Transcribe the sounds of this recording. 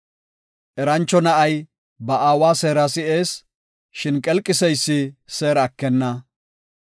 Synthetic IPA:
ʔɛɾɐnt͡ʃːɔnɐʔɐj | bɐʔaːwaːse̞ːɾɐsɪeːs | ʃɪnkʼɛlkʼːɪsɛjsːɪse̞ːɾɐkːɛnːɐ

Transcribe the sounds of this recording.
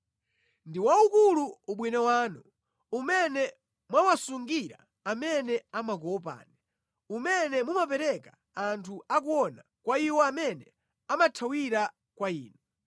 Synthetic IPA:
ndiwaukuluuɓwinawaːnu | umɛnɛ | mwawasuŋɡiɾa̰ | amɛnɛamak̬ɔpa̰ːnɛ | umɛnɛmumapɛɾɛka | antʰuakuɔna | kwaiwɔamɛnɛ | amatʰawiɾa | kwaḭːnɔ

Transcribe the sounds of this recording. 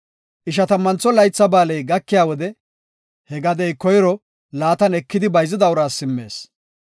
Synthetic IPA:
ʔɪʃ̬ɐt̪ɐmːɐnt͡sːɔlɐjt͡sːɐbaːlɛjɡɐkːɪjaːwɔd̪ɛ | hɛɡɐd̪ɛjkɔjɾɔ | laːt̪ɐnɛkːɪd̪ɪbɐjzɪd̪ɐwɾaːsːɪmːe̞̰ːs

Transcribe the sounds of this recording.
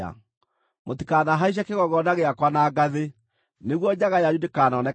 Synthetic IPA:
a̰ | motikanaɦaiʃ̬akeɣɔɣɔnaɣeakwanaɡaðe | neɣwɔɲaɣajaɲudekanɔnɛ

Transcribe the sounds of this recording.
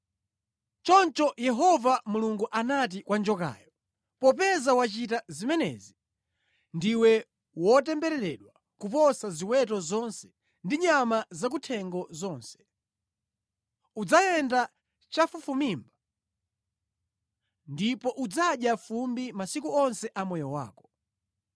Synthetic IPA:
t͡ʃɔnt͡ʃɔjɛɦɔvamuluŋɡuʔanat̬ikwand͡ʒɔka̰ːjɔ | pɔpɛzawat͡ʃitazimɛnɛ̰zi | ndiwɛ | wɔtɛmbɛɾɛɾɛɗwa | kup̬ɔsaziwɛtɔzɔnsɛ̥ | ndiɲamazak̬utʰɛŋɡɔzɔːnsɛ̥ | ud͡zajɛnda | t͡ʃafufumimba | ndipɔʔud͡zaɗjafumbimasikuɔnsɛʔamɔjɔwa̰ːkɔ̥

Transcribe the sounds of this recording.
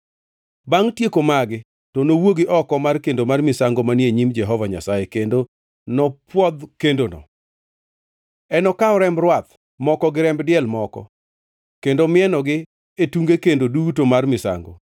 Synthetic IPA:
baŋtjekomaɡɪ | tɔnowoɡɪʔɔkɔmarkendomarmɪsaŋɡomanjeɲimd͡ʒɛɦɔvaɲa̰sajekendo | nɔpwɔd̪kendonɔ̰ | ɛnɔkaɔɾɛmrwat̪ | mɔkɔɡɪɾɛmbdɪɛlmɔkɔ̰ | kendomɪɛnɔɡɪ | etuŋɡekendodutomarmɪsa̰ŋɡo

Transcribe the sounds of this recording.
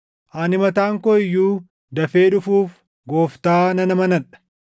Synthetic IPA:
ʔanɪmɐt̪aːŋkoɪjːuː | d̪ɐfeːᶑʊfuːf | ɡo̞ːft̪aːnɐnɐmɐnɐᶑɐ̥

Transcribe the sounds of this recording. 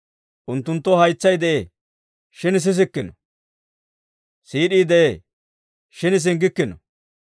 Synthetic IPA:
ʔʊnt̪ːʊnt̪ːɔhɐjt͡sːɐjd̪ɛʔeː | ʃɪnɪs̬ɪs̬ɪkːɪnɔ | siːɗiːd̪ɛʔe | ʃɪnɪs̬ɪŋɡɪkːɪnɔ

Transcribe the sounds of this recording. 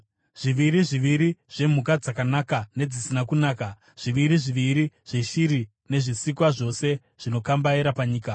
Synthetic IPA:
ʐ̥iʋiɾiʐiʋiɾiʐ̥e̞m̤ukad͡zakanakane̞d͡zisinakunaːka | ʐ̥iʋiɾiʐiʋiɾiʐ̥e̞ʃiɾi | ne̞ʐisikwaʐo̞se̞ | ʐ̥ino̞kambaiɾapaɲiːka

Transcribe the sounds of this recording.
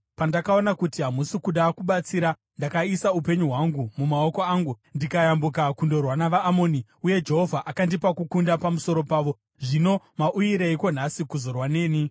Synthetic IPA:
pandakao̞nakutiɦamusikuɗakuɓat͡siɾa | ndakaisaupe̞ɲuɦwaŋɡumumao̞ko̞aːŋɡundikajambukakundo̞rwanaʋaːmoːniuje̞d͡ʒe̞ɦo̞vʱaʔakandipakukundapamuso̞ɾo̞paːʋo̞ | ʐino̞ | maʔujiɾeiko̞n̤asikuzo̞rwane̞ːni

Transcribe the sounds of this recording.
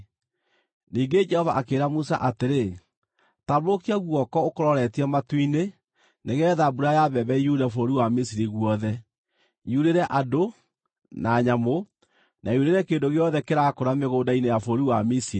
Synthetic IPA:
niːŋɡed͡ʒɛhɔvaʔakeːɾamusa̰ʔateɾe | taβokiaɣwɔkɔokoɾɔɾɛtiamatwine | neɣɛðabuɾajaβɛβɛijudafoɾiwamisiɾiɣwɔðɛ | juɾeɾɛʔado | naɲamo | naiuɾeɾɛkeːndoɣeɔðɛkeɾakoɾameɣoːdainejafoɾiwamisiɾi

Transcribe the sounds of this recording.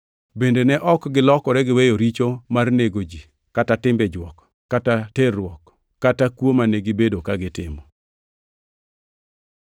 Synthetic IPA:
bendenɛʔɔkɡɪlɔkɔɾɛɡɪwejoɾit͡ʃomarneɡod͡ʒi | katatɪmbɛd͡ʒwɔkː | ataterʊwɔkː | atakwomaneɡɪbedokaɡɪtɪmɔ

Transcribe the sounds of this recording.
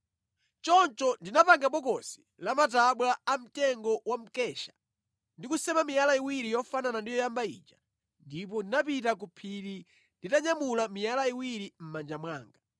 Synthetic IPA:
t͡ʃɔnt͡ʃɔndinapaŋɡapɔkɔsi̥ | lamataɓwaːm̩tɛŋɡɔwam̩kɛʃḁ | ndikusɛmamijalaiwiɾijɔfananandijɔjambaḭt͡ʃḁ | ndip̬ɔndinapitakupʰiɾi | nditaɲamulamijalaiwiɾim̩mand͡ʒamwaːŋɡa

